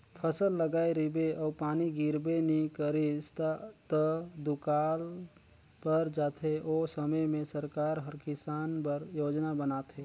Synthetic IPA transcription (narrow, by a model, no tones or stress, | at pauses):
pʰəsəlːəɡaːeɾɪbeʔɔːpaːniɡiɾbenikəɾist̪at̪əd̪ʊkaːl | pɐɾd͡ʒaːt̪ʰeʔoːsəməjmẽsəɾkaːɾɦəɾkɪsaːnpəɾjoːd͡ʒnabənaːt̪ɦeː